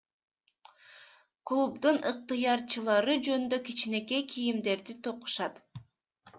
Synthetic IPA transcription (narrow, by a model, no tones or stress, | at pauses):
klˠubd̪unɯq̚t̪ɯjɑɾt͡ʃɯlˠɑɾɯd͡ʒø̞nynd̪økit͡ʃine̞ke̞kʰijimd̪e̞ɾd̪it̪ʰo̞qu̥ʃɑt̪